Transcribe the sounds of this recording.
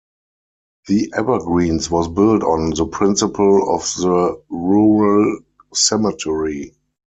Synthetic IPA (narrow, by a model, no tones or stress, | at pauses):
ðiʔɛvəɡɹĩːnswɔsbɪltɔ̃nðəpʰɹɪ̃nsɪpʰəlɔfðəɹuɹəl | sɛmɪtʰɛɹi